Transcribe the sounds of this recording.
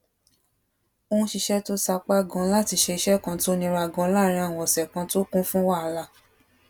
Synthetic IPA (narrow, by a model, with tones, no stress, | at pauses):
o˧hũ˧ʃi˧ʃɛ˦to˦sa˧k͡pa˦ɡɔ̃˧˦la˦˨ti˧˦ʃe˧i˧ʃɛ˦kã˧ti˦o˦nĩ˧ɾa˧˦˨ɡɔ̃˨˦la˦ɾĩ˧a˦˨w̃ɔ̃˧ɔ˨sɛ˨kã˧to˦kũ˦fũ˦wa˦˨la˧˦